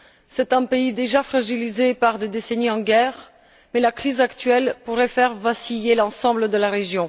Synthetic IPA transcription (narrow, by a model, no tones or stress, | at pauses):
sɛt̪ɛ̃peid̪eʒafχaʒilizepaʁd̪ed̪eseniɑ̃ɡɛːʁ | mɛlakχizakt̪ɥɛlpuʁɛfɛʁvasijelɑ̃sɑ̃bləd̪əlaʁeʒjɔ̃